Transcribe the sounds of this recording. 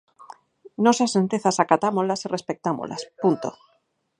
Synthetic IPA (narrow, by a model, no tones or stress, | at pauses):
nosasent̪eθasakat̪amozlasire̞spek̚t̪amo̰la̰spunt̪o